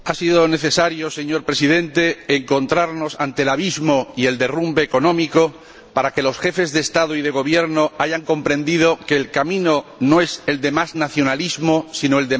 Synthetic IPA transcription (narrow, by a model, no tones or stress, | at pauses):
asiðone̞θe̞saɾjose̞ɲo̞ɾpɾe̞siðẽ̞nt̪e̞ːŋko̞nt̪ɾaɾno̞sant̪e̞laβ̞izmoie̞ld̪e̞rumbeːko̞nõ̞miko̞ | paɾake̞lo̞sxe̞fe̞zðeːst̪að̞oið̞e̞ɣ̞o̞β̞je̞ɾnoaʝaŋko̞mpɾẽ̞nd̪iðoke̞lkamĩnonoe̞se̞ld̪e̞maznaθjo̞nalizmosinoe̞ld̪e